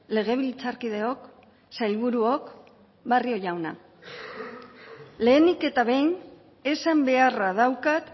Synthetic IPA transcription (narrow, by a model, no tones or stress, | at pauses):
le̞ɣ̞e̞β̞ilit͡saɾkið̞e̞o̞k | sajlβuɾuo̞k | bario̞ʝawna̰ | le̞ːnike̞t̪aβe̞jn | e̞sambe̞arað̞awkat̪